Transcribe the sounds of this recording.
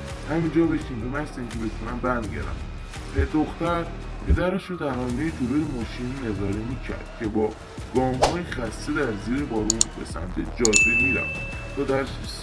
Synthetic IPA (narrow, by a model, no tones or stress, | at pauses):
hæmiːnd͡ʒɒːbeʃindumæst̪æmcʰebet̪ʰunæmbæɾnd̪ɟḛɾæ̰m | pʰed̪oxt̪æɾ | pʰe̞d̪æɾeʃud̪æɾɒːnejet̪uɾujemɒːʃininezɒːɾemiːcʰæ̰ɾd̪̥cʲʰe̞bɒː | ɡ̥ɒːmɦɒːjexæst̪ed̪æɾziːɾebɒːɾunbḛsæ̰mt̪ʰed͡ʒɒːjbemiːɾæ̰mt̪ʰɒːd̪æɾsiʃ